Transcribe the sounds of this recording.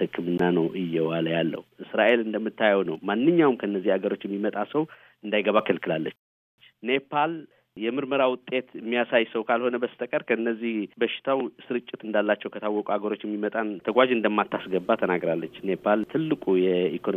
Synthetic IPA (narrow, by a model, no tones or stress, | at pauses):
hɨkːɨmɨnːanəwʔɨjːɛwaləjalːə̰huʔɨsɾaʔe̞lɨnd̪əmːɨt̪ːajɛwnəwmanːɨɲːawumkʰəɨnːəzːihaɡəɾo̞t͡ʃːjɛmːimət̪ʼasəw | ɨnd̪ajɡəβakʰːəlkʰɨlalːə̰t͡ʃ | ne̞pʰːal | jɛmɨɾməɾawʊt̪ʼːe̞t̪ɨmːijasajsəwkʰalho̞nəbəst̪ʼəkʼəɾkʰəɨnːəzːihbəʃɪ̥t̪ʰawsɨɾɨt͡ʃʼːɪt̪ɨnd̪alːat͡ʃːɛwkʰət̪ʰawːɔkʼuaɡəɾo̞t͡ʃːjɛmːimət̪ʼant̪ʰəɡʷad͡ʒɨnd̪əmːat̪ːasɡəbːat̪ʰənaɡɾalːət͡ʃːne̞pʰalt̪ʰɨlːɨkʼujɛikʰon